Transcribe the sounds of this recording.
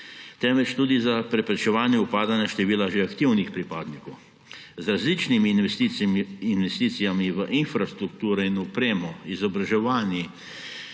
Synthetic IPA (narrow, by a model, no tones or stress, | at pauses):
t̪ɛmʋɛt͡ʃt̪uːd̪izapɾɛpɾɛt͡ʃɛʋaːnjɛupaːd̪anjaʃt̪ɛʋiːlaʒeakt̪iwnixpɾipaːd̪nikɔw | zɾazlit͡ʃnimi | inʋɛst̪iːt̪sijamiʋəʔinfɾast̪ɾuk̚t̪uːɾɛinɔpɾeːmɔizɔbɾaʒɛʋaːnji